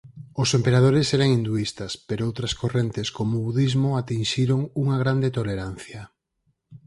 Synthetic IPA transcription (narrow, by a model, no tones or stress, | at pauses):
ʊsempeɾað̞oɾesɛɾaŋind̪uist̪ɐspeɾoowt̪ɾɐskorent̪eskomʊβuðizmʊat̪inʃiɾoŋuŋaɣ̞ɾand̪et̪oleɾan̟θjɐ